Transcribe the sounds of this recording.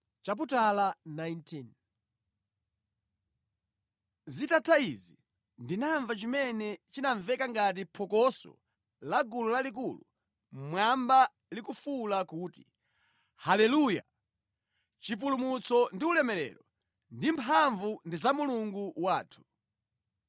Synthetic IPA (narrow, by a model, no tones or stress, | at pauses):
t͡ʃap̬utalanajntʰin | zitatʰaizi | ndinaɱvat͡ʃimɛnɛt͡ʃinaɱvɛkaŋɡat̬ipʰɔkɔsɔ̰ | laɡululalikulu | mwamba | likufulakuːti | halɛluja̰ | t͡ʃip̬ulumut͡sɔndiulɛmɛlɛ̰lɔ | ndimpʰaɱvundizamuluŋɡuwaːtʰu̥